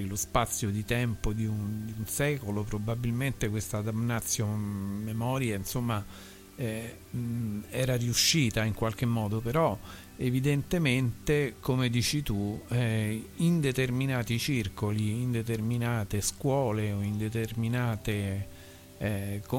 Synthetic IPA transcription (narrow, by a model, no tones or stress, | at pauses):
ilospat̪sːjod̪it̪ɛmpod̪iund̪iunsɛːkolopɾobabilment̪ekwest̪ad̪amnat̪sːjomemɔːɾjainsomːa | ɛ | ɛːɾariuʃːiːt̪aiŋkwalk̟emːɔːd̪opeɾɔ | evid̪ent̪ement̪ekomed̪iːt͡ʃit̪u | ind̪et̪erminaːt̪it͡ʃirkoliːnd̪et̪erminaːt̪eskwɔːleoind̪et̪erminaːt̪e | ko